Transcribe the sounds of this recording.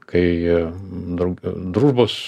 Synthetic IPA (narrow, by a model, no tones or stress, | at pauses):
kɐɪ | d̪ɾɐʊd̪ɾuːʒboːs